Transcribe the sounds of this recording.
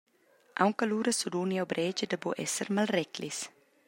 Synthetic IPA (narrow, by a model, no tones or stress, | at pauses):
ʔa̰wŋkɐluɾɐsud̪uniawbɾʔɛd͡ʒəd̪əboʔɛ̰səɾmalrɛklis